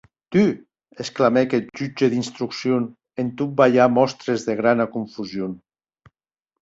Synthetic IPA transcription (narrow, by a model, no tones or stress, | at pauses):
t̪y | esklamɛkɛt̪̚ʒyd͡ʒeðinst̪ɾuksjon | ent̪ut̚bajamɔst̪ɾezðeɣ̞ɾanakuɱfuzjon